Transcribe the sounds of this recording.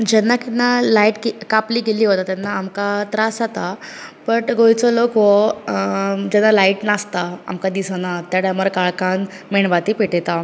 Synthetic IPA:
d͡ʑɛnːakinːalaiʈkekapliːɡeliːɦot̪at̪janːaːmkat̪ɾasat̪abəʈɡojt͡sɔlokʋɔ | d͡ʑɛnːalaiʈnast̪aa̰mkad̪isanat̪jaɽjaməɾkaɭkan | meɳʋat̪iːpeʈet̪a

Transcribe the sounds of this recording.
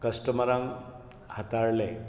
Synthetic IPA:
kəsʈəməɾãŋɡ | hat̪aɾle

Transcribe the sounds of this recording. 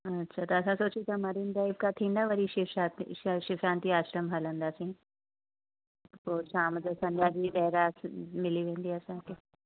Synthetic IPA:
ɐtːʃʰat̪oɐsãsoːt͡ʃit̪ʰamɐɾind̪aːibkat̪ʰĩːnd̪aʋɐɾiʃɪʃat̪ʃɪfɾãːnt̪iaːʃɾəmɦalə̃nd̪aːsĩ | p̪oːʃaːmd͡ʒosɐ̃ɲd͡ʒaːd͡ʒid̪ɛɦɾaːsmɪliʋẽːnd̪iɐsãke

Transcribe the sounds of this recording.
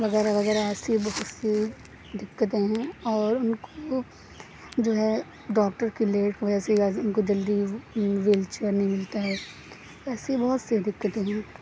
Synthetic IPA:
ʋɐɣɛːɾaʋɐɣɛːɾaɛːsebɐɦʊt̪se | d̪ɪkːət̪ẽɦɛ̃ɔːɾʊnko | d͡ʒoːɦɛ | ɖɔːkʈəɾkileːʈkʋɐd͡ʒɛseʊnkod͡ʒɐld̪iʋeːlt͡ʃəɾnɐɦĩmɪlt̪aɦɛː | ɛːsebɔɦʊt̪sed̪ɪkːət̪ẽɦɛ̃ː

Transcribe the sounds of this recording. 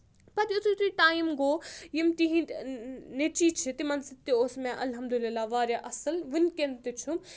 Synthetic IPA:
pɐt̪ʊt̪ʰit̪ʰɾiʈaːimɡoːjimt̪iɦĩ | net͡ʃiːt͡ʃʰit̪imɐnsit̪ioːsmẽʔɐlɦɐmd̪ulilːaːʋaːɾjaʔɐsɨlʋɨnkent̪it͡ʃʰum

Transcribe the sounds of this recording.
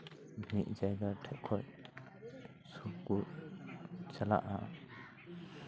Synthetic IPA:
miʔ̚zajɡatʰɛʔkʰɔj | sukuɹ | sala̰ʔa

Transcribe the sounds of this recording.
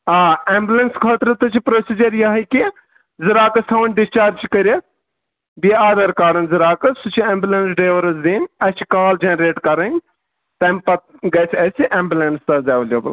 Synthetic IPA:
aːembʲulɐnskʰɐːt̪ɾɨt̪ɨt͡ʃʰipɾoːsid͡ʒɐɾjɐɦɐjki | ziɾaːkɐsʰɐʋnʲɖist͡ʃaːɾt͡ʃʰi̥kɐɾʲi | biaːd̪ɐɾkaːɾɐnziɾaːkɐsut͡ʃʰiembʲjulɐnsɖeːʋɐɾɐzd̪iːnʲɐt͡ʃʰi̥kaːld͡ʒenɾeːʈkɐɾɐnʲ | t̪ɐmʲpɐt̪̚ɡɐsʰʲɐsiʔeːmbʲjulɐnst̪ɐzeːʋɐljeːbɐl

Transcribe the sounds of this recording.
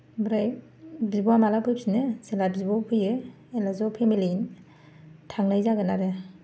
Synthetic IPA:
bɾaj | bzibɔamalapʰɯjpʰsinɯzelabzibɔpʰɯjɯ | elazɔpʰemilin | tʰaŋnajzaɡɯnaɾe

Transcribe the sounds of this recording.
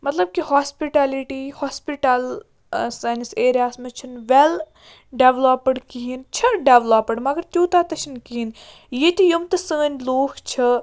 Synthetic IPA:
mɐt̪lɐb̚kihaːspiʈaːliʈihaːspiʈaːl | saːjnɐseːɾjaːsmet͡ʃʰɐnʋel | ɖeːʋloːpəɽkiɦint͡ʃʰɐɖeʋlaːpəɖmɐɡɐɾt̪ʲuːt̪aːt̪ɐʃʰinkiɦin | jet̪ʲijumt̪ɨsəːnʲloːkʰt͡ʃʰɐ

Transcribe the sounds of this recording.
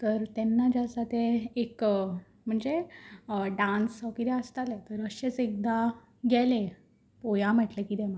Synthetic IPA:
t̪əɾt̪ɛnːad͡ʑasat̪eek | m̤əɳd͡ze | ɖãnsɔkit̪ɛəst̪alet̪əɾəɕet͡sek̚d̪a | ɡʱjɛle | pojãm̤əʈlekiːt̪em̤a

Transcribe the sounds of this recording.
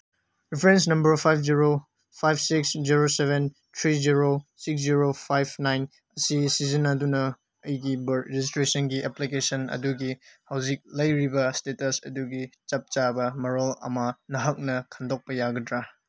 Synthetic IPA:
ɾipʰɾens̬nɐmbɐɾpʰajpʰziɾo | pʰajbʰsiksziɾoseben | tʰɾiziɾosik̚s̬d͡ʒiɾopʰajb̚ʰnajn | ɐsisizinadunɐː | jɡibɐɾiistɾesɐnɡiʔɛplikesɐnɐ̰duɡihɐwzik̚lɐjɾibɐstetɐsɐduɡit͡ʃɐp̚t͡ʃabɐmɐɾɔlɐ̰manɐɦɐk̚nɐkʰɐndɔk̚pɐjaɡɐdɾa

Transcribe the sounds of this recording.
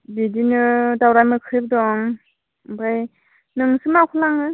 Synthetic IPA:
bidinɯdawɾajmɯkʰɯb̚dɔŋ | baj | nɯŋsɯmakʰulaŋɯ

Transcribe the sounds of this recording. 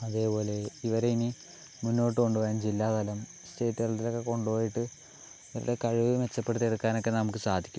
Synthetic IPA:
ɐðe̞ːpo̞ːle̞iʋɐɾeini | munːo̞ːʈ̬ːɨko̞ɳɖuʋɐjaːnd͡ʑilːaːt̪ɐlɐm | ste̞ːtːɐrt̪ilo̞kːe̞ko̞ɳɖupo̞ːjiʈːɨ | iʋɐɾuɽe̞kɐɻuʋiume̞t͡ɕːɐpːe̞ɽut̪ierukːaːno̞kːe̞nɐmukːɨsaːd̪ʱi̥kʲːum

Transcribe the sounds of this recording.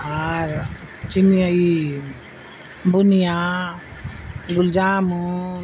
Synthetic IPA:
aɾ | t͡ʃiniai | bunija | ɡuld͡ʒaːmu

